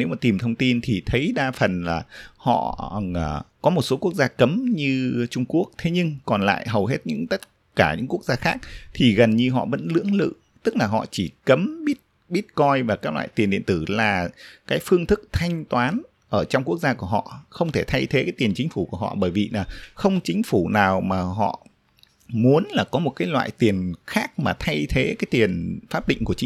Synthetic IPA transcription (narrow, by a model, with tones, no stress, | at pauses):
ne˨˦wmaː˨˩t̪i˨˩mt̪ʰə˧wŋ͡mt̪i˧nt̪ʰi˨˩t̪ʰə˨˦jɗaː˧fə˨˩nlaː˨˩hɔ̰˧˨˩ | kɔ˨˦mo˨˩t̚so˨˦ku˦˥ək̚zaː˧kə˨˦mɲɨ˧t͡ɕʊ˧ŋ͡mku˦˥ək̚t̪ʰe˨˦ɲɨ˧ŋkɔ˨˩nla̰ː˧˨jɦə˨˩wɦe˦˥t̚ɲɨ̰˧˥ŋt̪ə˦˥t̚ | kaː˧˩ɲɨ̰˧˥ŋku˦˥ək̚zaː˧xaː˦˥k̚t̪ʰi˨˩ɣə˨˩nɲɨ˧ɦɔ̰˧˨və̰˧˥nlɨ̰˧˥əŋlɨ̰˧˨ | t̪ɨ˦˥k̚laː˨˩ɦɔ̰˧˨t͡ɕi˧˩kə˨˦mɓi˦˥ət̚ | ɓi˦˥ət̚kɔ˧jvaː˨˩kaː˦˥k̚lwa̰ː˧˨jt̪i˨˩ənɗḭ˧ənt̪ɨ˧˩laː˨˩kaː˨˦jfɨ˧əŋt̪ʰɨ˦˥k̚t̪ʰa˧jŋ̟t̪waː˨˦n | ʔəː˧˩t͡ɕɔ˧wŋ͡mku˦˥ək̚zaː˧ku˧˩əɦɔ̰˧˨xə˧wŋ͡mt̪ʰe˧˩t̪ʰa˧jt̪ʰe˨˦kaː˨˦jt̪i˨˩ənt͡ɕï˨˦ŋ̟fu˧˩ku˧˩əhɔ̰˧˨ɓəː˧˩jvi˨˩laː˨˩xə˧wŋ͡mt͡ɕï˨˦ŋ̟fu˧˩naː˨˩wmaː˨˩ɦɔ̰˧˨ | mu˨˦ənlaː˨˩kɔ˨˦mo˨˩t̚kaː˨˦jlwa̰ː˧˨jt̪i˨˩ənxaː˦˥k̚maː˨˩t̪ʰa˧jt̪ʰe˨˦kaː˨˦jt̪i˨˩ənfaː˦˥t̚ɗḭ̈˧˨ŋ̟ku˧˩ət͡ɕ